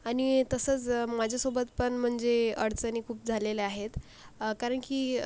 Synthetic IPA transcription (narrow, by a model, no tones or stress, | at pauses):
añit̪əsət͡smad͡ʑʱasobət̪pəɳm̤əɳd͡zeəɽt͡sənikʰuːp̚d͡zʱaleleaɦet̪ | kaɾəɳkiː